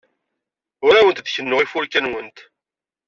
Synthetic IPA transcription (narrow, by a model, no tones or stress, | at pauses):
ʊɾawənt̪ðçənːoʁifʊɾkænwənt̪